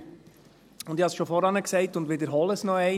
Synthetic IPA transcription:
ʊnd̪ihɑsʃofɔɾɑnəksɛɪtʊndʋedəɾɦɔləsnɔɛɪ

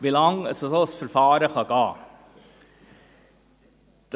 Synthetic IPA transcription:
ʋɪlɑŋsɔsɔsfœɾfɑːɾəxɑɡɑː | d̪̥

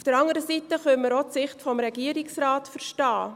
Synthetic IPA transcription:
fd̥əɾɑŋəɾəsitəχœməɾot͡sɪχtfɔmɾɛɡiːəɾiksrɑːtfəɾʃtɑː

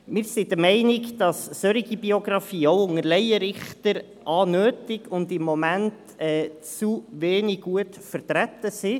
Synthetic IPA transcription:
mɪːɾsid̪əmɛɪnɪkd̥ɑsːøɾɪɡibioɡɾɑfiːoʊʊŋəɾlɛɪəɾɪχtəɾ | ʔɑːnøːtɪɡʊndɪmːɔmænt | ɛːt͡suʋeːnɪuətfəɾtɾætəsi

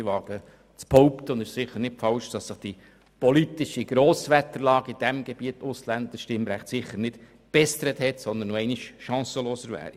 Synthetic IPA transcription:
ʋɑːɡə | t͡spɔʊptəʊnd̪ɪʃsɪχəɾnɪtfɑlʃd̥ɑsːɪχd̥i | pɔlitɪʃiɡ̥ɾoːsʋæt̪əɾlɑːɡəid̥ɛmɡ̥ebiət̪ʊslænd̪əʃtɪmɾæχtsɪχəɾnɪt | b̥ɛst̪əɾəthɛtsɔnd̪ənoɛɪniʃʃɑ̃ːsəloːsəɾvæ̰ːɾi

